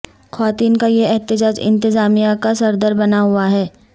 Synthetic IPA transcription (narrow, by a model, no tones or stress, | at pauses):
kʰwaːt̪iːnkajeɛɦt̪ɪd͡ʒaːd͡ʒɪ̰̃nt̪ɪzaːmijakasɐɾd̪əɾbɐnaɦʊaɦɛː